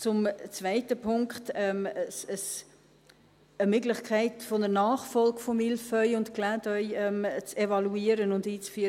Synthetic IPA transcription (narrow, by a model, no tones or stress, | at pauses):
t͡sʊmt͡svæɪtəpʰʊŋkχtɛməsəs | əmʏɡlɪχkʰaɪtfɔnənaːχfɔlɡfɔmilfœʏʊntklæːtœʏɛmt͡sevɑluiːəɾənʊndiːt͡sfyə